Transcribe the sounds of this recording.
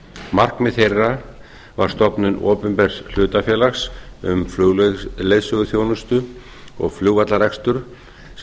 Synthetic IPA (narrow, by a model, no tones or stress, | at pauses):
mar̥kmɛðθejrːa | vaɾ̥st̪ɔpnʏnʔɔːpʏmpɛr̥sl̥ʏːt̪afjɛːlaxsʏ̰mflʏlejðsʏɣʏθjownʏst̪ʏ | ɔ̰ɣfljuːɣvat̪laɾɛkst̪ʏɾ̥